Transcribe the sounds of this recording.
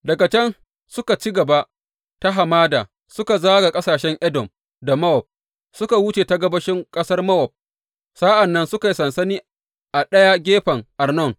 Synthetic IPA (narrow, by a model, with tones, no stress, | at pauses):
dɐ˨ɡa˨t͡ʃɛ˦n | sʊ˦ka˨t͡ʃi˦ɡɐ˨ba˦ | ta˦ɦa˨maː˦daː˨ | sʊ˦ka˨zaː˦ɡa˨kʼɐ˦saː˨ʃɛ˦ŋʔɛ˦dɔ˨m | da˨mɐ˦wɔ˨p̚ | sʊ˦ka˨wʊ˦t͡ʃeː˨ta˦ɡɐ˦bɐ˦ʃɪ˦ŋkʼɐ˦sɐ˦rmɐ˦wɔ˨p̚ | saː˦ʔa˨nːɐ˦nsʊ˦ka˨ji˨sɐ˨nsɐ˦niː˦ | ʔa˨ɗɐ˦ja˦ɡʲeː˦ɸɐ˨ŋʔa˨rnɔ˦˨n